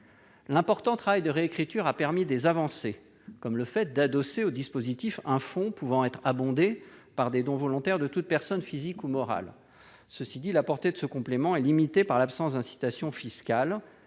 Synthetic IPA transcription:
lɛ̃pɔʁt̪ɑ̃t̪χavajd̪əʁeekχit̪yʁapɛʁmid̪ezavɑ̃se | kɔmləfɛt̪̚d̪ad̪ɔseod̪ispozit̪ifɛ̃fɔ̃puvɑ̃ɛt̪χabɔ̃d̪epaʁd̪ed̪ɔ̃vɔlɔ̃t̪ɛʁd̪ət̪ut̪̚pɛʁsɔnfizikumɔʁa̰l | səsid̪ilapɔʁt̪ed̪əsəkɔ̃plemɑ̃ɛlimit̪epaʁlapsɑ̃sd̪ɛ̃si̥t̪asjɔ̃fiskal

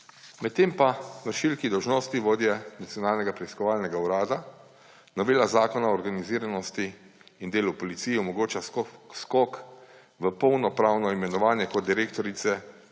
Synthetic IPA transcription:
mɛt̪ːeːmpaʋəɾʃilkid̪ɔwʒnoːst̪iʋoːd̪jɛnat̪siɔnaːlnɛɡapɾɛiskɔʋaːlnɛɡauɾaːd̪a | nɔʋeːlazaːkɔnaɔːɾɡaniziːɾanɔst̪iː | nd̪eːlupɔlit̪siːjiɔmɔɡoːt͡ʃaskɔk | ʋəpɔwnɔpɾaːwnɔimɛnɔʋaːnjɛkɔt̪̚d̪iɾeːk̚t̪ɔɾit̪sɛ

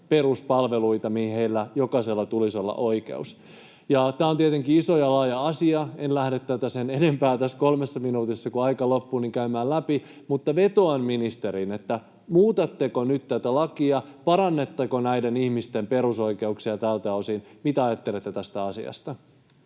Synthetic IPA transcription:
pe̞ruspɑlʋeluit̪ɑmihiheilːæjokɑselːɑt̪ulisolːɑ̰ʔo̞ike̞̰us | jɑt̪æːont̪iet̪eŋkiisojɑlɑːjɑɑsiɑenlæhdet̪ːæt̪æsenenempæːt̪æskolmesːɑminuːt̪isːɑkuɑikɑlopːuːniŋkæymæːllæpi | mut̪ːɑʋet̪oɑnminist̪eɾinet̪ːæ | muːt̪ɑt̪ːekonyt̪t̪æt̪ælɑkiɑpɑɾɑnːet̪ːekonæidenihmist̪empe̞ɾuso̞ike̞uksiɑt̪ælt̪æosinmit̪æɑjɑt̪ːelet̪ːet̪æst̪æɑsḭɑ̰st̪ɑ

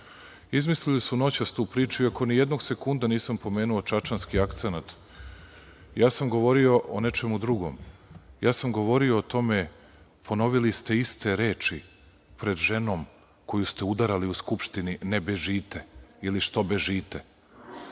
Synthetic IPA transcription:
izmislilisuno̞t͡ɕast̪uːpɾiːt͡ʃuiako̞nijed̪no̞ɡse̞kund̪aniːsampo̞me̞ːnuot͡ʃat͡ʃanskiakt̪senat̪ | jaːsamɡo̞ʋo̞ɾio̞ʔone̞t͡ʃe̞mud̪ɾuɡo̞̰mjaːsamɡo̞ʋo̞ɾio̞ːt̪o̞me | pʰo̞no̞ʋilist̪e̞ist̪e̞ɾeːt͡ʃi | pɾe̞d̪ʒe̞no̞ːm | ko̞just̪eud̪aɾaliuskupʃt̪ininebeʒiːt̪eiliʃt̪o̞beʒiːt̪e

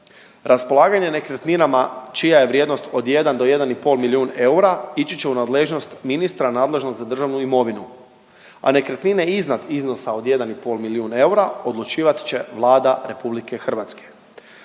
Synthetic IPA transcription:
ɾaspo̞lˠaːɡaɲe̞ne̞kɾet̪ninamat͡ʃijaje̞ʋɾjed̪no̞st̪o̞d̪je̞d̪and̪o̞je̞d̪anipo̞lˠmilijuːne̞uɾait͡ɕit͡ɕe̞unaːd̪leʒno̞st̪minist̪ɾanaːd̪le̞ʒno̞ɡzad̪r̩ʒaʋnuimo̞ʋinu | a̰ne̞kɾet̪nine̞iznad̪izno̞sao̞d̪je̞d̪anipo̞ːlˠmiliuːne̞uɾao̞d̪lˠut͡ʃiːʋat̪i̥t͡ɕe̞ʋlˠaːd̪aɾe̞publike̞xr̩ʋat̪ske̥

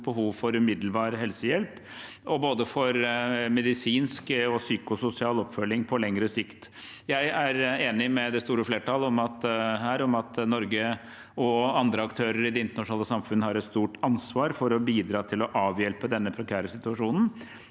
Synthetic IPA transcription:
b̥əɦuːʋfɔɾʉmɪd̪l̩bɑːɾɦɛlsəjɛlp | ɔboːd̪əfɔɾmɛd̪ɪsiːnskɔsyːkʊsʊsɪɑːlɔpfœlːɪŋpʰɔlɛŋɾəsɪkt̪ | jæɪæɾeːnɪmɛd̪ɛst̪uːɾəfleːʈʰɑːləɔmɑt̪ɦæːɾɔmɑt̪nɔɾɡə | ɔɑnd̪ɾəɑkt̪ʰøːɾəɾɪd̪ɛɪnt̪əɳɑʂʊnɑːləsɑmfʉnːəhɑɾɛt̪st̪uːʈɑnsʋɑːɾfɔɾɔbiːd̪ɾɑːt̪ʰɪlɔʔɑːʋjɛlpəd̪ɛnːəpʰɾɛkʰæːɾəsɪt̪ʉɑʂuːnn̩

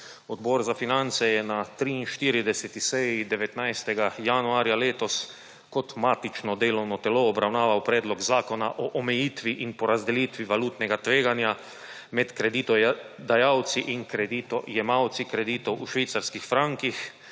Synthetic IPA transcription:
ɔd̪bɔːɾzafinant̪sɛjɛnat̪ɾiinʃt̪iɾid̪ɛsɛt̪isɛjid̪ɛʋɛt̪najst̪ɛɡajanuaːɾjaleːt̪ɔs | kɔt̪maːt̪it͡ʃnɔd̪eːlɔwnɔt̪ɛloːbɾawnaːʋawpɾɛːd̪lɔɡzaːkɔnaʔɔʔɔmɛjiːt̪ʋiʔinpɔɾazd̪ɛliːt̪ʋiʋaluːt̪nɛɡat̪ʋeːɡanja | mɛt̪kɾɛd̪iːt̪ɔd̪ajawt̪siʔinkɾɛd̪it̪ɔjɛmawt̪sikɾɛd̪iːt̪ɔwʔuʃʋiːt̪saɾskixfɾaŋkix

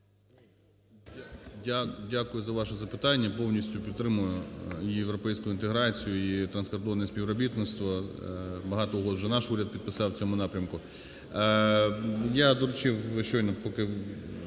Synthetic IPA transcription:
dʲadʲakʊjʊzɐʋɑʃɛzɐpɪt̪ɑnʲːɐpɔwnʲisʲtʲʊpʲid̪t̪ːɾɪmʊjʊijewɾɔpɛjsʲkʊʊint̪eɦɾɑt͡sʲijʊit̪ɾɐnskɐrd̪ɔʋɐnɛsʲpʲiʋɾɔbʲit̪nɪt̪st̪ʋɔ | bɐɦɑt̪ɔʊɦɔd̪wʒɛnɑʃuɾʲɐd̪̚pʲid̪̚pɪsɑwt͡sʲɔmʊnɑpɾʲɐmkʊ | jad̪ɔɾʊt͡ʃɪwʃt͡ʃɔjnɔpɔkɪ

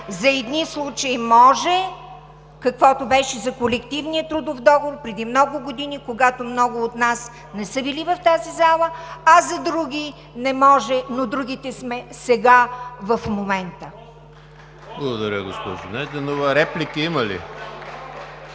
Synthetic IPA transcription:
zɐɛd̪nislˠut͡ʃəimɔʒɛ | kɐkvɔt̪obɛʃɛzɐkolɛkt̪ivnijət̪ɾud̪ovd̪ɔɡovoɾpɾɛd̪imnɔɡʊɡod̪inikoɡat̪omnɔɡʊot̪nas | nɛsɤbilivɐft̪azizalˠəɐzɐd̪ɾuɡʲi | nɛmɔʒɛnod̪ɾuɡʲit̪ɛsmɛsɛɡavɐfmomɛnt̪ə | blˠɐɡod̪ɐɾʲəɡospɔ̰ʒʊnɛd̪ɛnovɐɾɛplikəimɐlḭ

